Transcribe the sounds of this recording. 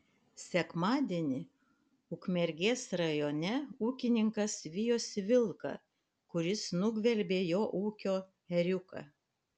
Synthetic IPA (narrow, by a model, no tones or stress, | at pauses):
sʲɛkmɑːd̪ʲeːnʲɪ | ukmʲɛɾʲɡʲeːsɾɐjoːnʲɛuːkʲɪnʲɪŋkɐsʋʲɪjoːsʋʲɪlˠkɐ̰ | kʊɾʲɪsnʊɡʋʲɛlʲbʲeːjoːʔuːkʲoː | ɛɾʲʊkɑ̰